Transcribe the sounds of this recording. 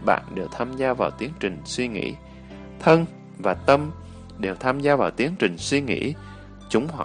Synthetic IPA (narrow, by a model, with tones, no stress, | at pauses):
ɓa̰ː˧˨nɗe˨˩əw̚t̪ʰaː˧mzaː˧vaː˨˩wt̪i˨˦əŋt͡ɕï˨˩ŋ̟swi˧ŋḭ˧˥ | t̪ʰə˧n | vaː˨˩t̪ə˧m | ɗe˨˩wt̪ʰaː˧mzaː˧vaː˨˩wt̪i˨˦əŋt͡ɕï˨˩ŋ̟swi˧ŋḭ˧˥ | t͡ɕʊ˨˦ŋ͡mhwa˨